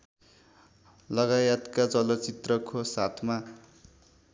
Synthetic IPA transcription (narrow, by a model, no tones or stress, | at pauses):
lʌɡajʌt̪kad͡zʌlʌt͡sit̪rʌkosat̪ʰma